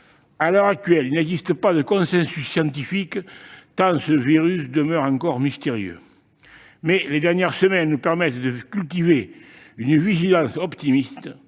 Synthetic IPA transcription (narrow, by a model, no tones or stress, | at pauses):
alœʁak̚t̪ɥɛlilnɛɡzist̪əpad̪əkɔ̃sɛ̃sysːjɑ̃nt̪ifikt̪ɑ̃səviʁysd̪əmœʁɑ̃ŋkɔʁmist̪eʁjø̰ | mɛled̪ɛʁnjɛʁsəmɛnənupɛʁmɛt̪d̪əkylt̪ive | ynəviʒilɑ̃sɔpt̪imist̪ə